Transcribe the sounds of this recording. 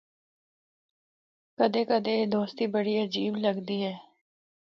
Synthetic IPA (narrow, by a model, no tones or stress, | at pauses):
kəd̪eːkəd̪eːd̪oːst̪iːbəɽiːəd͡ʒiːbləɡd̪iːɦɛː